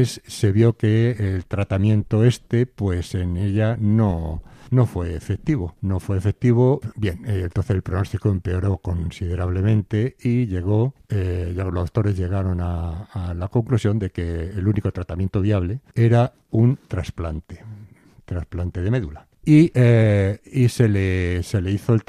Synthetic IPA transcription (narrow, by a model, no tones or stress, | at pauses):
sse̞βjo̞keelt̪ɾat̪amjẽnt̪oest̪epwe̞seneʎanono̞fwe̞ːfek̚t̪iβ̞o̞no̞fwe̞ːfek̚t̪iβ̞obje̞nent̪onθeselpɾono̞st̪ikoe̞mpe̞o̞ɾo̞ko̞nsiðe̞ɾaβle̞mẽ̞nt̪e̞iʎe̞ɣ̞o̞eʎalosat̪o̞ɾe̞zʝe̞ɣ̞aɾo̞naːlako̞ŋklusjo̞nd̪e̞ke̞ːluniko̞t̪ɾat̪amjent̪oβiaβle̞e̞ɾa | unt̪ɾasplant̪e̥ | t̪ɾasplant̪e̞ðemeðula | ieiselese̞leiθoelt̪